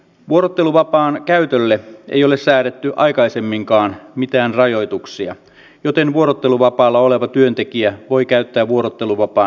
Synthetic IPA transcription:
ʋuo̞ɾot̪ːe̞luʋɑpɑːnkæyt̪ølːeḛjo̞lessæːɾet̪ːyʔɑ̰jkɑjse̞mːiŋkɑːnmit̪æːnrɑjo̞jt̪uksiɑ̰ | jot̪e̞nʋuo̞ɾot̪ːe̞luʋɑpɑːlːɑo̞le̞ʋɑt̪yø̞nt̪e̞kiæʋo̞jkæyt̪ːæːʋuo̞ɾot̪ːe̞luʋɑpɑː

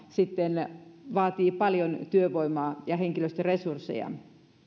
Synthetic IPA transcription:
sit̪ːenʋɑːt̪iːpɑljont̪yøʋoimɑːjɑheŋkiløst̪æresursːḛjɑ̰

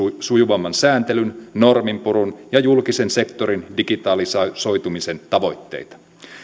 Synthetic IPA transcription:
sujuʋɑmːɑnsæːnt̪e̞lynːo̞rmimpuɾunjɑjulkise̞nse̞kt̪o̞ɾindiɡit̪ɑlisso̞jt̪umise̞nt̪ɑʋo̞jt̪ːe̞̰jt̪ɑ̥

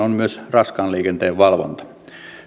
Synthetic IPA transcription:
onmyøsrɑskɑːnliːkent̪eːʋʋɑlʋo̰nt̪ɑ̥

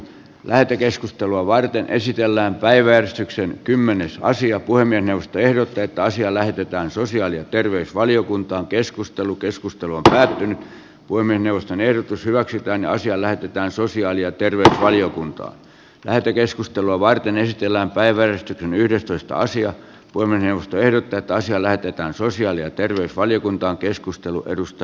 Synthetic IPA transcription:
lʔæhet̪økeskust̪eluɑʋɑrt̪enʔḛsit̪elːæːmpæiʋæjærest̪yksenkymːenesɑ̰siɑpuhemːiesneuʋost̪oehdot̪ːɑet̪ːæɑsiɑlæhet̪et̪æːnsosiɑːlijɑt̪erʋeysʋɑliokunt̪ɑːŋkeskust̪elukeskust̪eluompæːt̪ːynyt̪ | puemːieˑsneuʋˑost̪onehɾot̪ushyʋæksyt̪æːnniɑsiɑlæhet̪et̪æːnsosiɑːlijɑt̪erʋeysʋɑliokunt̪ɑ̰ːn | læ̰het̪ːekeskust̪eluɑʋɑrt̪enesit̪elːæːmpæiʋæærest̪yksenyhɾest̪oist̪ɑ̰ɑ̰siɑ | puemieˑsneuʋˑost̪oehɾot̪ːɑet̪ːæɑsiɑlæhet̪et̪æːnsosiɑːlijɑt̪erʋeysʋɑlijokunt̪ɑːŋkeskust̪elṵʔḛrust̪ɑ

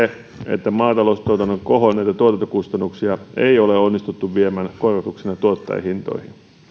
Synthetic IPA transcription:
e | ḛt̪ːæmɑːt̪ɑloust̪oˑt̪ɑnːokoɦonnæit̪æt̪uot̪ɑnt̪ːokust̪ɑnːuksiɑeioleonːist̪ut̪ːuʋʋiemænkorʋɑt̪uksinɑt̪uot̪ːɑ̰jhint̪o̰ihḭn

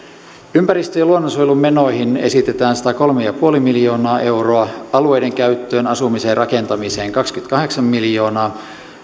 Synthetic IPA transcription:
ympæɾist̪øjɑluonːosojelume̞no̞jɦine̞̰sit̪e̞t̪æːnsi̥t̪æko̞lmejɑpuo̞limiljo̞ːnɑːʔe̞wroɑɑlue̞jde̞ŋkæyt̪ːøːnɑsumise̞ːrʔɑke̞nt̪ɑmise̞ːŋkɑkskyt̪kɑɦe̞ksɑmːiljo̞ːnɑː

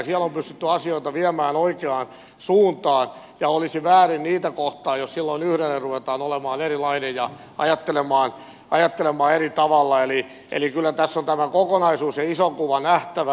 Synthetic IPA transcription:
siælompyst̪yt̪ːyɑsioit̪ɑʋiæmæːnoikeɑn | suːnt̪ɑːn | jɑolisiʋæːrinniːt̪ækoht̪ɑːjossilːoinyhɾelːerruʋet̪ɑːnolemɑːnerilɑinejjɑ | ɑ̰jɑt̪ːelemɑːn | ɑjɑt̪ːelemɑːerit̪ɑʋɑlːɑeli | ʔḛlikylːæt̪æsːont̪æmækokonɑisuːsjɑisoŋkuʋɑnæht̪æʋ

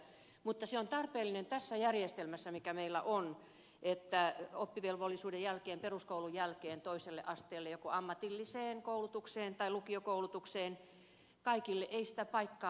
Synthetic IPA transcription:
mut̪ːɑseont̪ɑrpeːlːinent̪æsːæjærjest̪elmæsːæmikæmeilːæ̰ʔon | ʔet̪ːæopːiʋelʋolːisuːdejælkeːmperuskoulujælkeːnt̪oiselːeʔɑst̪eːlːejokoɑmːɑt̪ilːiseːnkoulut̪ukseːnt̪ɑilukiokoulut̪ukseːn | kɑikilːeʔeisi̥t̪æpɑikːɑː

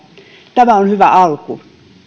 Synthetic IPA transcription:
t̪æmæonhyʋæ̰ʔɑlku

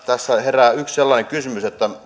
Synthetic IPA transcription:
t̪æsːæheræːyksselːɑːneŋkysymyset̪ːæ

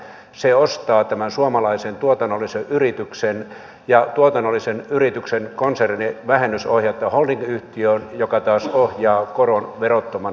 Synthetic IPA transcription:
seost̪ɑːt̪æmænsuomɑlɑisent̪uot̪ɑnːolːˑiseʔyrit̪yksen | jɑt̪uot̪ɑnːolːisenyrit̪yksenkonserniʋæhenːysohjɑt̪ːɑholniŋɡyht̪iøːnjokɑt̪ɑːsohjɑːkoronʋerot̪ːomɑ

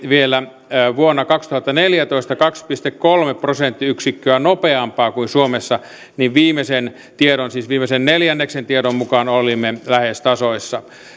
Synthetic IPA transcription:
ʋielæ | ʋuonːɑkɑkst̪uhɑt̪ːɑneljæt̪oist̪ɑkɑkspist̪ekkolmeprosent̪ːiyksikːøænopeɑmpɑːkuinsuomesːɑ | niʋʋiːmesen | t̪ieɾonsiːsʋiːmːˑesenneljænːeksent̪ieɾommukɑnolimːelæhest̪ɑsoisːɑ

